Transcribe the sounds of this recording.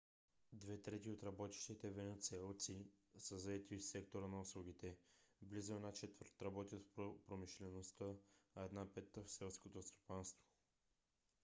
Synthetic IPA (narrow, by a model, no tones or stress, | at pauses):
d̪vɛt̪ɾɛt̪iot̪ɾɐbɔt̪i̥ʃt̪it̪ɛvɛnɛt̪sɛlˠt̪sisəzɐɛt̪isɛkt̪oɾənɐʊslˠuɡ̟it̪ɛblizʊɛnat͡ʃɛt̪vəɾt̪ɾɐbɔt̪ʲjət̪fpopɾomiʃlɛnost̪əːɛd̪napɛt̪ːəfsɛlˠskot̪ost̪o̥panst̪vo̥